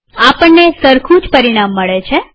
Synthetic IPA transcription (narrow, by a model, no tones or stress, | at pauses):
apəɳːesəɾkʰũd͡ʒpəɾiɽ̃amːəɭet͡ʃʰe